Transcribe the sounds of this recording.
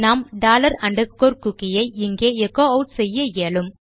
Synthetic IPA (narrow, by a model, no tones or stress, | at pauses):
naːmɖaːlɐɾɐɳɖɐkːoːɾkʊkːɪjɐɪɪŋɡeːɛkːoːɐʊʈsɛjːɐjeːɭɯm